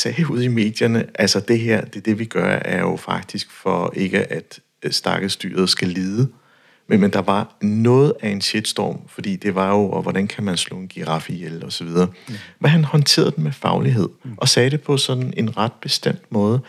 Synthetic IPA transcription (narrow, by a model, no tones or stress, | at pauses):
sɛːuð̞̰ˠime̝̰ːd̥jɐnəʔælsɒd̥e̝ɦeɐ̰d̥ed̥e̝ʋiɡ̥ɶɐæɐjo̝fɑ̈ɡ̥̚d̥isɡ̥fɒ̽e̝ɡ̥əʔæd̥ | sd̥ɑ̈ɡ̥əðsd̥y̰ːɐð̞̩ˠsɡ̥æliːðˠə | menmend̥ɑ̈ʋɑ̈nɔ̽ːð̩ˠæe̝nɕed̥sd̥ɒ̰ːmfɒ̽d̥ḭːd̥e̝ʋɑ̈jo̝ɒʋɒɾ̥ænkʰæmænslɔ̰̽ːenɡ̥iʁɑ̈fielɒ̽sɒ̽ʋið̞ˠɐːmenɦænhɒ̽nt͡sʰe̝̰ːɐðˠd̥emefɑ̈ʊliɦe̝ð̞̰ˠʔɒ̽sɛːɾ̥e̝pʰɒ̽sɒ̽d̥n̩e̝nʁɑ̈d̥̚b̥e̝sd̥em̰d̥mɔ̽ːð̞ˠə